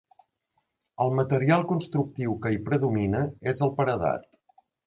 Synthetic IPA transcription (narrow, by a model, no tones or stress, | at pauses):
əlˠmət̪əɾialˠkunst̪ɾuk̚t̪iwkəipɾəðuminəezəlˠpəɾəða̰t̪